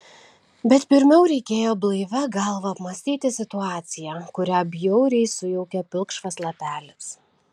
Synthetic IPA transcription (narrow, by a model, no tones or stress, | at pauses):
bʲɛt̪pʲɪɾʲmʲɛʊɾʲɛɪkʲeːjoːblˠɐɪʋʲɛɡɐlˠʋɐɐpmɐsʲt̪ʲiːt̪ʲɪsʲɪt̪ʊɑːt̪sʲɪjækʊɾʲæːbʲjɛʊɾʲɛɪsʊjɛʊkʲɛpʲɪlˠkʃʋɐslˠɐpʲæːlʲɪs